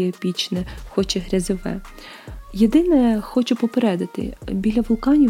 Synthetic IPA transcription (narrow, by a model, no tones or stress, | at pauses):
ɛpʲit͡ʃnɛxɔt͡ʃɛɦɾʲɐzɪʋɛ̰ | jed̪ɪnɛxɔt͡ʃɛpɔpeɾɛd̪ɐt̪ɪ̰bʲilʲɐʋʊlˠkɑnʲi